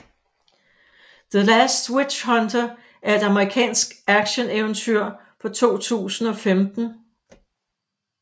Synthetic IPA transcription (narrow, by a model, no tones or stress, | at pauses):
ðəlæsd̥wi̥ɕɦɒ̽ndʰɐ | æɐe̝d̥ɑ̈məʁikʰɛ̰ːnsɡ̥æɡ̥ɕəneʊənt͡sʰyɐ̰ | fɒ̽t͡sʰo̝̰ːt͡sʰṵːsn̩ɒ̽femd̥n̩